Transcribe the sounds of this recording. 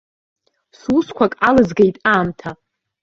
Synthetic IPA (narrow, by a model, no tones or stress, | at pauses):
suskʷʰakʼalɨzɡajtʼaːmtʰa